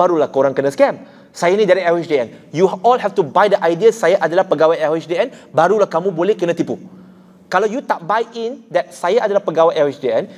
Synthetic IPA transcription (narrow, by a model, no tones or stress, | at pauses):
aɾulahkoɾaŋkənaskɛ̃m | sajanĩdaɾiɛwiʃdiɛnjuɔlɦɛft̪ubajdəʔajdiasajaʔadalahpəɡawajɛwɛt͡ʃdiɛnbaɾulahkamũbolɛhkənãt̪ipu | kalawjut̪aʔbajindɛt̚sajaʔadalahpəɡawajʔɛwɛt͡ʃdiɛn